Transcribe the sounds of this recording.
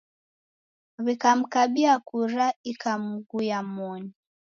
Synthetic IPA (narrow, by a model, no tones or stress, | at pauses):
βikam̩kaɓiakuɾaikam̩ɡujamɔni